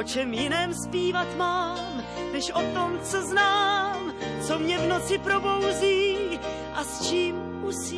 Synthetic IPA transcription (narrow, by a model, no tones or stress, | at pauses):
ot͡ʃɛmjɪnɛːmspiːvat̪maːm | nɛʃʔot̪omt͡sɛznaːmt͡so̞mɲɛvno̞t͡sɪpɾobo̞wziː | ʔast͡ʃiːm | usiː